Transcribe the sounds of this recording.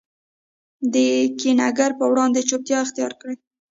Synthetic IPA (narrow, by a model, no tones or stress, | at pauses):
d̪əkinaɡaɾpəwɽɑnd̪et͡ʃop̚t̪jɑɪxt̪ijɑ̰ɾkɽe